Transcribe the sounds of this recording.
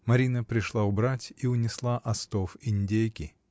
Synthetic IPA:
mɐɾʲinəpɾʲɪʂlˠaʊbɾatʲiʊnʲɪslˠaʔɐst̪ofɪnʲdʲejkʲɪ

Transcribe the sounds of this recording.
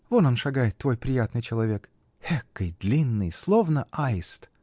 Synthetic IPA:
vononʂaɡajɪt̪ːvo̞jpɾʲɪjat̪nɨjt͡ɕɪlˠɐvʲe̞k | hekːəjd̪lʲinːɨjslˠo̞vnəʔajɪst̪

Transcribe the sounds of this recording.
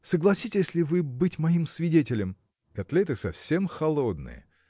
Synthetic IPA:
səɡlˠɐsʲitʲɪsʲlʲɪvɨbɨtʲmɐimsvʲɪdʲetʲɪlʲɪm | kɐt̪lʲet̪ɨsɐfsʲemxɐlˠod̪nɨ̰jə̰

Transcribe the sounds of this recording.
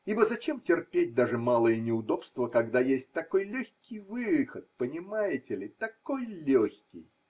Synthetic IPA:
ibəzɐt͡ɕemtʲɪrpʲet̚ʲd̪aʐɨmalˠəjənʲɪʊd̪o̞pst̪vəkɐɡd̪ajesʲt̚ʲt̪ɐko̞jlʲoçʲkʲɪjvɨxət̪̚pənʲɪmajɪtʲɪlʲɪt̪ɐko̞jlʲoxʲkʲɪj

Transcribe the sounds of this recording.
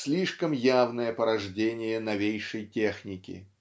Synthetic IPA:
sʲlʲiʂkəmjavnəjəpəɾɐʐdʲenʲɪjənɐvʲejʂəjtʲe̞xnʲɪkʲɪ̰

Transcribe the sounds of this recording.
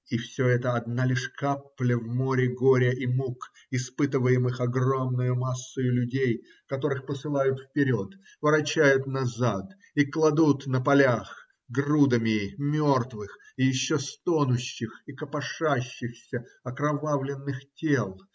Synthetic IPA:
ifsʲoɛt̪əɐd̪nalʲɪʂkaplʲəvmoɾʲɪɡoɾʲəʔimuk | ɪspɨt̪ɨvəjɪmɨxɐɡro̞mnʊjʊmasːʊjʊlʲʉdʲej | kɐt̪o̞ɾɨxpəsɨlˠajʊt̪fpʲɪɾʲo̞t̪ | vəɾɐt͡ɕːæjʊt̪nɐzat̪ | iklˠɐd̪ut̪nəpɐlʲax | ɡrud̪əmʲɪmʲort̪vɨx | ijɪɕːost̪onʊɕːɪxikəpɐʂaɕːɪxsʲəɐkɾɐvavlʲɪnːɨxtʲelˠ

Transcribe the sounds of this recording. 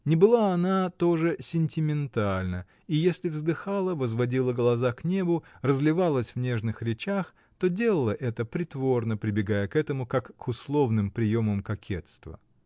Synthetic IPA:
nʲɪbɨlˠaːnat̪o̞ʐɨsʲɪnʲtʲɪmʲɪnt̪alʲnə | ijesʲlʲɪvzd̪ɨxalˠəvəzvɐdʲilˠəɡəlˠɐzaknʲe̞bʊrəzlʲɪvalˠəsʲvnʲe̞ʐnɨxɾʲɪt͡ɕax | t̪o̞dʲe̞lˠəlˠəʔɛt̪əpɾʲɪt̪vo̞rnəpɾʲɪbʲɪɡajəkɛt̪əmʊkakːʊslˠo̞vnɨmpɾʲɪjoməmkɐkʲʰe̞t̪st̪və̰

